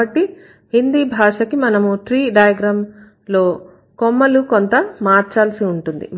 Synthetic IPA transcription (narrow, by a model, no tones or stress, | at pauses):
ɐʈːi | hind̪iːbʱaːʂɐkimɐnɐmuʈɾiːɖɐjɐɡɾɐːm | lo̞ː | komːɐlukont̪ɐmaːɾt͡ʃaːlsiuɳʈund̪ḭ